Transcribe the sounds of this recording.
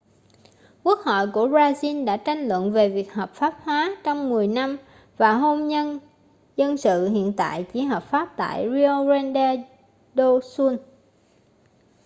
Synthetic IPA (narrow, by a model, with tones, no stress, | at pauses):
ku˦˥ək̚hɔ̰˧˨jku˧˩əzaː˧zi˧nɗa̰ː˧˥t͡ɕa˧jŋlwə̰˧˨nve˨˩vi˨˩ək̚ɦɔː˨˩p̚faː˦˥p̚hwaː˨˦t͡ɕɔ˧wŋ͡mmɨ˨˩əjna˧m | vaː˨˩ɦo˧mɲə˧n | zə˧nsɨ̰˧˨hḭ˧˨ənt̪a̰ː˧˨jt͡ɕi˨˦ɦəː˨˩p̚faː˦˥p̚t̪a̰ː˧˨jɹi˧o˧zɛ˧nɗɛ˧ | ɗo˧su˧n